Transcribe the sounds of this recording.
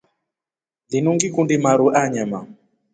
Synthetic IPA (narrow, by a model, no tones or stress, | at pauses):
dinuŋɡikundimaɾuʔaɲama